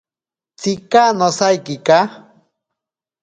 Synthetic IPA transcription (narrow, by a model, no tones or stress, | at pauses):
t͡sikanosajkika